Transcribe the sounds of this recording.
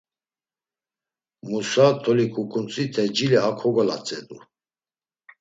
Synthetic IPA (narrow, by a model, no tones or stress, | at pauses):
musat̪ʰɔlikʰukʼunt͡sʼit̪ʰɛd͡ʒiliakʰɔɡɔla̰t͡sʼɛd̪u